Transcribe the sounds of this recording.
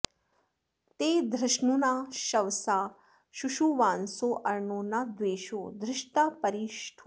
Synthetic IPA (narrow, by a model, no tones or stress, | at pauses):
t̪eːd̪ɾɪʃɳunaʃɐʋsa | ʃuʃuʋaːnsoʔɐɾɳoːnad̪ʋeːʃoːd̪ɾɪʃʈ̪apəɾiːʃʈʰu